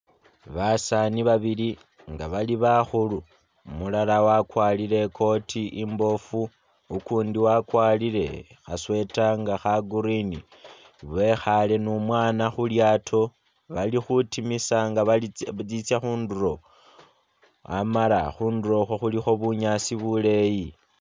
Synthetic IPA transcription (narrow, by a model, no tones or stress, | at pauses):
βasaniβaβili | ŋɡaβaliβaxulu | mulalawakwaːlile̞kʰo̞tʰiʔimbo̞fuː | kuːndiwakwaːlile̞̰ | xaswe̞taŋɡaxaɡuɾini | βe̞xale̞numwaːnaxuljatʰo̞ | βalixutimisaŋɡad͡zit͡sjaxuːnduɾo̞ | a̰mala̰xuːnduɾo̞xoxulixo̞βuɲaːsiβule̞ji